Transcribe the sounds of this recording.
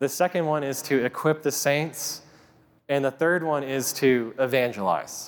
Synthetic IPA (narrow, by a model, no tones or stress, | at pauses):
ðɨsɛkɨ̃nd̚wʌ̃nɪz̥tʰɨɨkʰw̥ɪp̚ðɨsẽɪ̃nts | ɨ̃nðəθɜ˞d̚wʌ̃nɪz̥tʰɨɪvæ̃nd͡ʒəla̰ɪz̥